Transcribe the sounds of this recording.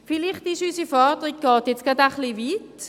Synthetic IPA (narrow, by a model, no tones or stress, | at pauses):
filiχtɪʃysifɑːdəʁiɡ̚ɡ̥ɔːtjɛt͡sɡ̥adaχliʋiːt